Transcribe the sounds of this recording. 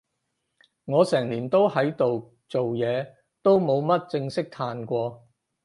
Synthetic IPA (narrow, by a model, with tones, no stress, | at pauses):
ŋɔː˨˧sɛː˨˩ŋliː˨˩nt̪o˥whɐ˨˥jt̪o˨w | t͡so˨wjɛː˨˧ | t̪o˥wmo˨˧wmɐ˥t̚t͡sɪ˧ŋsɪ˥k̚t̪ʰaː˨nkʷɔː˧